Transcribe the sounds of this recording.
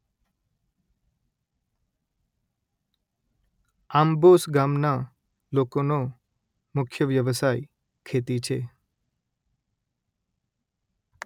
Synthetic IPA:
ambosɡamna | lokono | mʊkʰjəʋjəʋəsaj | kʰet̪it͡ʃʰḛ

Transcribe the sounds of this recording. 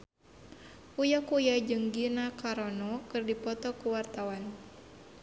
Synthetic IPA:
ujakujad͡ʒɨŋɡinakaɾɔnɔkɨrdipɔt̪ɔkuwart̪awan

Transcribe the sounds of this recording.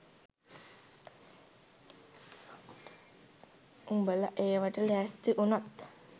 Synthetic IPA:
umbəlaʔeːʋaʈəlæːst̪iʔunat̪

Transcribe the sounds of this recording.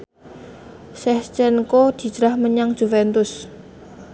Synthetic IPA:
sɛht͡ʃɛnkod̪̥i̤̥d͡ʒ̥ɾahməɲaŋd̥ʒ̥ufɛnt̪ʊs

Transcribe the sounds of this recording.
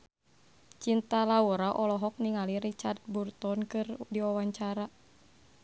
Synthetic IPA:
t͡ʃint̪alauɾaʔɔlɔɦɔk̚niŋaliɾit͡ʃart̪̚burt̪ɔnkɨrdiɔwaɲt͡ʃaɾa

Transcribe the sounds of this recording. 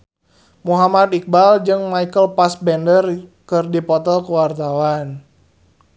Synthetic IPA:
muɦamad̪ik̚bald͡ʒɨŋmaikəlpasbɛndərkɨrdipɔt̪ɔlkuwart̪awan

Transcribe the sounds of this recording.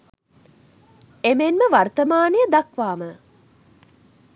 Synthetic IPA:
emenməʋart̪əmaːnejəd̪akʋaːmə

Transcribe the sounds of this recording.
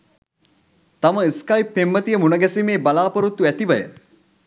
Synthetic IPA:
t̪aməiskajpːemːət̪ijəmunəɡɛsimeːbalaːpəɾut̪ːuæt̪iʋɐjə̰

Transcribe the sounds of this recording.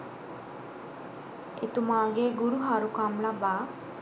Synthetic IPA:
ḛt̪umaɡeɡuɾuɦaɾukamlaba

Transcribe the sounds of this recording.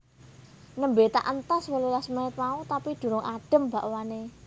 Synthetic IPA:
nəmbet̪a̰ʔənt̪aswololasməɪt̪̚maut̪apid̪̥ṳɾʊŋʔaɖ̥ə̤mbaʔwane

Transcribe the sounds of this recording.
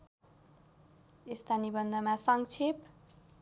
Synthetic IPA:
est̪anibʌnd̪ʱʌmasʌŋt͡sʰep

